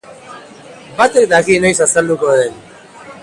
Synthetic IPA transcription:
bat̪ek̚d̪akinojsasald̪ukoðen

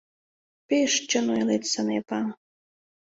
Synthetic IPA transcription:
peʃt͡ɕənojlet̪sənepa

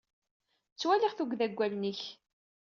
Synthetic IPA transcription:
t͡sːwæliʁθuɡðæɡʷːælniç

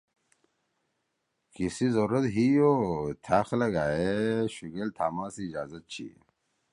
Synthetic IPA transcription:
kisizoɾɐt̪ɦijot̪ʰaːxlɐɡaːeɕuɡelt̪ʰaːmaːsiːd͡ʑaːzɐt̪̚t͡ɕʰḭ

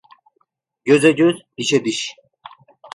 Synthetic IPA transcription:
ɟøzɛɟøz | iʃɛd̪iʃ

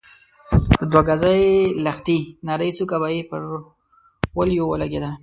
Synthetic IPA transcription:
əd̪waɡazajlaxt̪inaɾəjt͡sukabaipəɾ | wəljowəlaɡed̪a

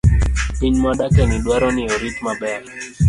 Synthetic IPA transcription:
piɲmaɗakɛniɗwaɾɔniɔɾit̪̚maɓɛ

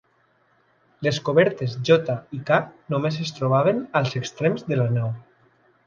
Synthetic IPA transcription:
leskoβɛɾt̪ezʒɔt̪aikanomesest̪ɾoβ̞aβ̞enalˠzekst̪ɾemzðelanaw

